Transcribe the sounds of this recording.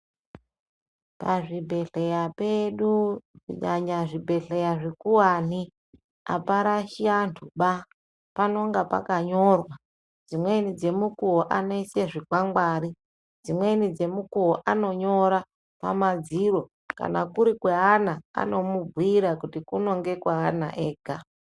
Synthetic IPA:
paʐibʱe̞ɬe̞japeɗukṵɲaɲaʐibʱe̞ɬe̞jaʐekuwaːni | a̰paɾaʃiantʰuɓa | pano̞ŋɡapa̰kaɲo̞rwa | d͡zimwe̞nid͡ze̞mukuɦoʔano̞iseʐikwaŋɡwaːɾi | d͡zimwe̞nid͡ze̞mukuɦoʔano̞ɲo̞ɾa | pa̰mad͡ziro̞ | ka̰nakuɾikweɦanaa̰no̞mub͡vwiɾakutikuno̞ŋɡe̞kwaɦana̰ʔeːɡʱa

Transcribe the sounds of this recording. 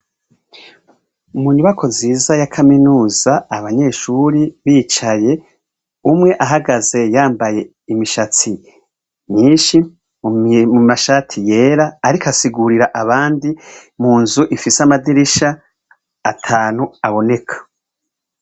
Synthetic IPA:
umuɲuβakʰo̞ziːzajakʰaminuːzaːβaɲe̞ːʃuɾiβiːt͡ʃaje̞ | umŋe̞ʔaɦaɡaze̞jaːmbaje̞ | imiʃat͡si | ɲiːnʃi | mumaʃaːtʰije̞ːɾaːɾikasiɡuɾiɾaʔaβaːndimuːnzuʔifiseamadiɾiʃaː | tʰaːnuaβo̞ne̞kʰḁ

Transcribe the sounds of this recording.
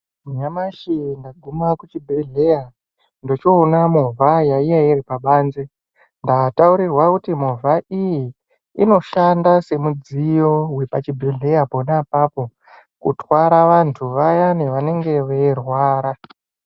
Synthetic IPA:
ɲamaʃindaɡʱumakut͡ʃibʱiɮe̞ja | ndo̞t͡ʃoːnamuvʱajaijairipaɓaːnze | ndatauɾirwakutimuvʱaʔiji | ino̞ʃandase̞mud͡zijo̞wepat͡ʃibʱiɮe̞japonapapo̞ | kutwaɾaʋantʰuʋajaneʋane̞ŋɡe̞ʋerwaːɾa

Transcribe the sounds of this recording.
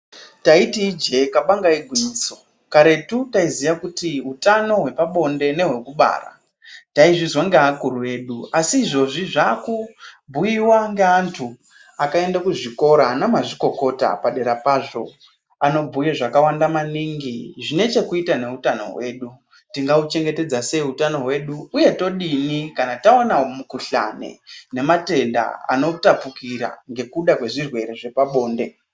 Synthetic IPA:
taitiːd͡ʒe̞kaɓaŋɡaiɡʱwiɲiːso̞ | kaɾe̞tutaizijakutiɦutano̞ɦwe̞paɓo̞nde̞ne̞ɦwe̞kuɓa̰ːra̰ | taiʐizwaŋɡeakuruwe̞ːɗuasiːʐo̞ʐiʐakubʱujiwaŋɡeantʰu | akae̞ndakuʐiko̞ɾanamaʐiko̞ko̞ta̰paɗe̞ɾapaːʐo̞̰ | ano̞bʱujeʐakawandamaniːŋɡiʐine̞t͡ʃe̞kuitane̞utano̞̰we̞ːɗu | tiŋɡaut͡ʃe̞ŋɡe̞te̞d͡zase̞ɦutano̞ɦwe̞ɗuːje̞to̞ɗinikanataonaomukuɬa̰ne̞̰ne̞mate̞nda̰a̰no̞tapukiɾa̰ŋɡe̞kuɗakwe̞ʐirwe̞ɾe̞ʐe̞paɓo̞ːnde̞

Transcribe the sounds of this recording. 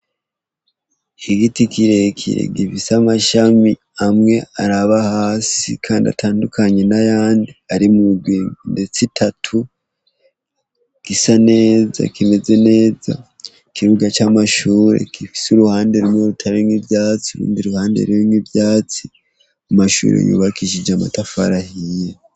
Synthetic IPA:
iɡitikiɾekʰḭɾḛɡifisamaʃami | amŋe̞aɾaβahaːsḭkʰaːndia̰tʰaːndukaɲe̞najaːndiaɾimuɡwiːŋnde̞t͡sitʰatʰu | ɡ̥isane̞ːza̰kʰime̞ze̞ne̞ːza̰ | kiɾuɡat͡ʃamaʃuːɾe̞̰kifi̥suɾuhaːnde̞ɾumŋeɾutʰaɾiŋibjaːt͡siuɾṵːndiɾuhaːndḛɾiunibjaːt͡si | amaʃṵːɾḛjṵβakiʃ̬id͡ʒama̰tafaɾahije

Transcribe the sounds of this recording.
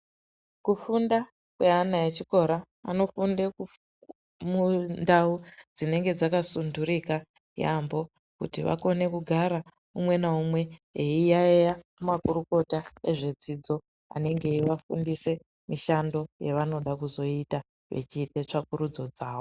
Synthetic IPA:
kufunda | kwe̞anaet͡ʃiko̞ɾa̰ː | no̞fundeku | mundaud͡zine̞ŋɡe̞d͡zakasunduɾika | ja̰mbo̞ | kṵtiʋa̰ko̞ne̞kuɡʱaɾa | umwe̞naumwe̞eijaejakumakuɾuko̞taeʐe̞d͡zid͡zo̞ | a̰ne̞ŋɡe̞ʋafṵndise̞ | miʃando̞je̞̰ʋano̞ɗakuzo̞ita | ʋe̞̰t͡ʃiːtet͡ʂak̚uɾud͡zo̞d͡zaːʋo

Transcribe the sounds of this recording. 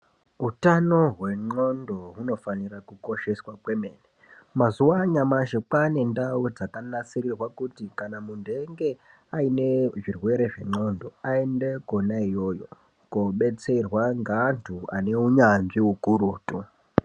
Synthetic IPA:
utano̞ɦwe̞ŋ͡ǃo̞ndo̞ɦuno̞fanirakuko̞ʃe̞swakwe̞meːne | mazuwaɲamaʃek͡pane̞ndaud͡zakanat͡sirirwakutikanamundʱe̞ŋɡe̞ | aine̞ʐirwe̞ɾe̞ʐe̞̰ŋ͡ǃo̞ndo̞aende̞konaijo̞ːjo̞ | koɓe̞t͡se̞rwaŋɡaːntʰua̰ne̞uɲanʐiuɡʱuɾuːtʼu

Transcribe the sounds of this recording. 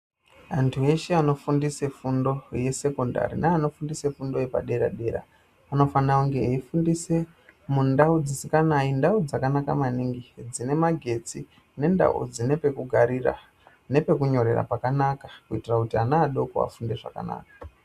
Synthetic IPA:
antʰue̞ʃeano̞fundise̞fundo̞je̞se̞ko̞nda̰ɾḭnaːno̞fundise̞fundo̞je̞pa̰ɗe̞ɾa̰ɗe̞ɾa̰ː | no̞fanauŋɡe̞ifundise̞ | mundaud͡zisikanaindaud͡zakanaka̰maniŋɡid͡zine̞maɡʱe̞t͡si | ne̞nda̰ṵd͡zine̞pe̞kuɡʱaɾira̰ | ne̞pe̞kuɲo̞ɾe̞̰ra̰pakanakakuitirakutianaːɗo̞ko̰a̰funde̞ʐa̰ka̰na̰ːkḁ

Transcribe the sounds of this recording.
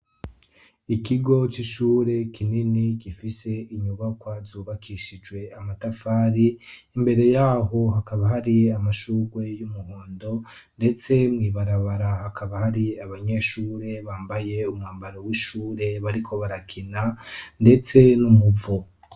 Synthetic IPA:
ikiɡo̞t͡ʃiʃuːɾe̞kʰininikifise̞iɲuβakwazuːβakʰiʃid͡ʒɡwe̞amatafaːɾiː | mbe̞ɾe̞jaːɦo̞hakaβahaɾiamaʃuːɡwe̞jumuhoːndo̞ | nde̞t͡se̞mŋiːβaɾaβaɾahakʰaβahaɾiaβaɲe̞ːʃuːɾe̞βaːmbaje̞umŋaːmbaɾowiʃuːɾe̞βaɾikʰo̞βaɾakʰinande̞t͡se̞numuvo

